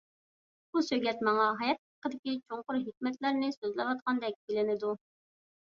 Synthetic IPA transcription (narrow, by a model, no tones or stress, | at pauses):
busøɡʲɛt̪mɑŋɑɦɑjɑt̪̚ɑqːəd̪ɪkʲit͡ʃʰoŋqʊɾɦikʲmɛt̪læɾnɪsøzlɪwɑt̪̚qɑnd̪ɛk̚ʲbɪlɪnɪd̪u